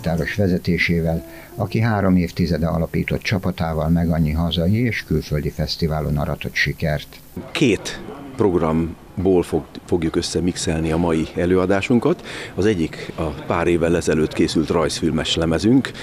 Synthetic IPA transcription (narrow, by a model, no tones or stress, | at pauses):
t̪aːɾo̞ʃʋɛzɛt̪eːʃeːvɛl | ɒkiɦaːɾo̞meːft̪izɛd̪ɛɒ̰lɒpiːt̪o̞t̪t͡ʃɒpɒt̪aːvɒlmɛɡɒɲːiɦɒzɒjieːʃkylføld̪ifɛst̪ivaːlo̞̰nɒ̰ɾɒt̪o̞t̪ʃikɛrt̪ | kʰeːt̪pro̞ɡrɒm | boːlffo̞ɡjukø̞sːɛmiksɛlniɒmɒjiɛløːɒd̪aːʃuŋkɒt̪ɒzɛɟːikɒpaːɾeːvːɛlɛzɛløːt̪keːsylt̪rɒjsfilmɛʃlɛmɛzyŋk